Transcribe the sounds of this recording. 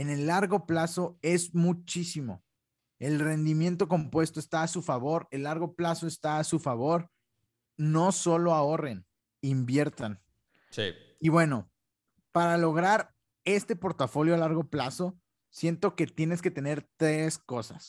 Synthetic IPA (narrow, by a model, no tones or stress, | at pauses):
e̞ne̞lːaɾɣo̞plaso̞e̞zmut͡ʃisimo̞̰ | e̞lre̞nd̪imje̞nt̪̬o̞k̬o̞mpwe̞st̪oest̪aːsufaβo̞ɾe̞lːaɾɣo̞plaso̞est̪aːsufaβo̞ɾ | no̞so̞lo̞aore̞n | imbje̞ɾt̪an | sḭ | iβwe̞no̞ | paɾalo̞ɣ̞ɾaɾ | e̞st̪e̞po̞ɾt̪afo̞ljo̞alaɾɣo̞plaso̞ | sje̞nt̪o̞ke̞t̪je̞ne̞ske̞t̪e̞ne̞ɾt̪ɾe̞sko̞sa̰s